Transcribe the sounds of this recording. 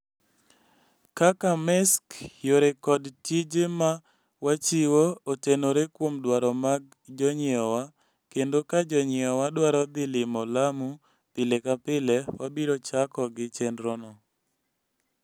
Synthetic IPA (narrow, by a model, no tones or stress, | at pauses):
kakamɛskjoɾekɔdtid͡ʒema | wat͡ʃiwootenoɾekwomdwaɾɔmaɡ̚ | d͡ʒɔɲɪɔwa | kendokad͡ʒɔɲɪɔwadwaɾɔd̪ɪlɪmɔlamu | t̪ɪlekapɪlewabiɾot͡ʃakɔɡɪt͡ʃɛnɾɔnɔ